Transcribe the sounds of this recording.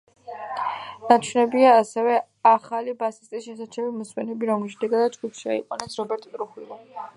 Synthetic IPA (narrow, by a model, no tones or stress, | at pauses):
nat͡ʃʰwnɛbiaːsɛvɛ | aχalibasi̥st̪ʼisʃɛsat͡ʃʰɛmimɔsmɛnɛbiɾɔmlʃɛd̪ɛɡad̪ad͡ʒɡupʃia̰ḭqʼanɛsɾɔbɛɾt̪ʼt̪ʼɾuχwilɔ